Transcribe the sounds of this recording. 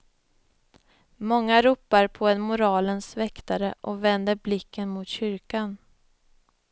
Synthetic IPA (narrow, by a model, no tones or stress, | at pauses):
mɔŋːaɾuːpːaɾpʰɔɛnmʊɾɑːlənsvɛkt̪aɾəʔɔvɛnd̪əɾblɪkːənmʊt̪ɕʏɾkan